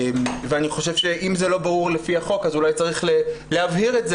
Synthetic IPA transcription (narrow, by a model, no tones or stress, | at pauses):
mveaniχo̞ʃevʃeʔimzelo̞baʁuʁlefiaχo̞kazulajt͡saʁiχleleavhiʁetze